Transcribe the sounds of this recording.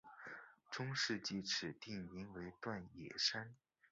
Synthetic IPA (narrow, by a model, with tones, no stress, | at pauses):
ʈ͡ʂʊ˥ŋʂɻ̩˥˧t͡ɕi˥˩ʈ͡ʂʰɻ̩˨˩t̪i˥˩mi˧˥ŋwe˧˥ɪt̪wa˥˩njɛ̰˨˩ʂa˥n